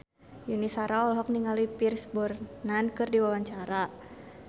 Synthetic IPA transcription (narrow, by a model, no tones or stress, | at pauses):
junisaɾaɔlɦɔk̚niŋalipirsbɔrnankɨrdiwawaɲt͡ʃaɾa